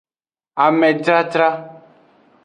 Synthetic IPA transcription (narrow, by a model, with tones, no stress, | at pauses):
a˨mɛ̃˨tɾa˦t̪ɾa˦